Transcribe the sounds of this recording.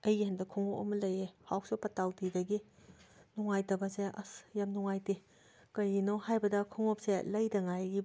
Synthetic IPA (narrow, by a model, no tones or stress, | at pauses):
ɐjihɐndɐkʰuŋoɐ̰mɐlɐjehawsopɐtawtidɐɡi | nuŋajtɐbɐseʔɐ̰sjamnuŋajti | kɐjinohajbɐdɐkʰuŋɔp̚selɐjdɐŋajɡi